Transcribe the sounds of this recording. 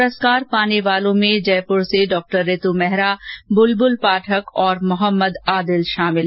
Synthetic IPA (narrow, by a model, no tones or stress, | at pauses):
ɾəskaːɾpaːneʋaːlõmẽd͡ʒɛːpʊɾseɖɔːk̚ʈəɾːeːt̪umɛɦɾabʊlbʊlpaːʈʰəkɔːɾmʊɦəmːəd̪aːd̪ɪlʃaːmɪl